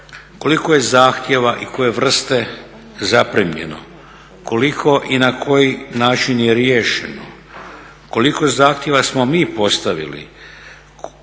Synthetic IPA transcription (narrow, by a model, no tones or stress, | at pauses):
ko̞likoje̞zaːxt̪je̞ʋaʔikojeʋr̩st̪e̞ | zapɾemʎe̞̰no̞̰ | ko̞likʰo̞ʔinakʰo̞jinaːt͡ʃinjeɾjeːʃe̞̰no̰ | ko̞liko̞zaːxt̪je̞ʋasmo̞miːpo̞st̪aʋḭlḭ